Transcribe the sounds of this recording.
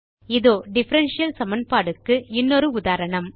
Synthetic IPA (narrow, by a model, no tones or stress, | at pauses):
ɪðoːɖɪfɐɾɐnʂɪjɐlsɐmɐnpaːɽɯkːɯɪnːɔɾɯʊðaːɾɐɳɐm